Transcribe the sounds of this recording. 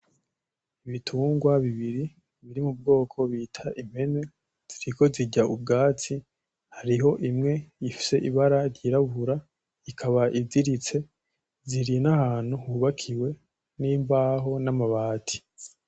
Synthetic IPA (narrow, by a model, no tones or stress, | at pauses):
iβitʰuːŋɡwaβiβiɾi | βiɾimub̚ɡo̞ːkʰo̞βitʰaʔim̥he̞ne̞ | z̥iɾiko̞ziɟaʔubɡaːt͡si | haɾiɦo̞ʔimŋe̞ifi̥se̞ʔiβaɾaɾɟiːɾaβuɾa | ikʰaβaʔivdiɾit͡se̞ | ziɾinahaːn̥huhuːβakʰiwe̞ | niːmbaɦo̞namaβaːtʰi̥